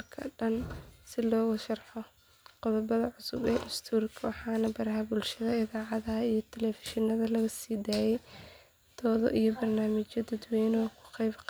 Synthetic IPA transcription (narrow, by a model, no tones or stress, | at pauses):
lkʰɐɖɐnsɪlɔːɣʊʃɑrħɔ | qʊðɔbɐðɐʕʊsʊbɛ̰ːʔɪst̪ʰuːrkʰɐwɑħɑːnɐbɐɾɐɦɐbʊlʃɐðɐɪðaːʕɑðɐɦɐijɞt̪ʰɛlɛfɪ̥ʃɪnɐðɐlɐɣɐsiːd̪aːjɛj | d̪̥ʰɔːðɔ̰ʔijɔbɐrnaːmɪt͡ʃɔd̪ɐd̪wɛjnɔkʰʊ̥qɛjbq